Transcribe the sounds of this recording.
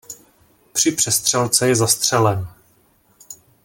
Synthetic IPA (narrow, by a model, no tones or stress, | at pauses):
pr̝̥ɪpr̝̥ɛst̪r̝̥ɛlt͡sɛjɛzast̪r̝̥ɛlɛn